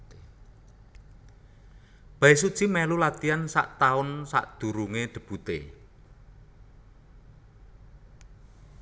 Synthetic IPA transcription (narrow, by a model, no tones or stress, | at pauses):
b̥ais̬ud̥ʒ̥i̤mɛlulat̪iansa̰ʔt̪aʊnsa̰ʔd̪̥ṳɾuŋeɖ̪̥ə̤b̥ut̪ḛ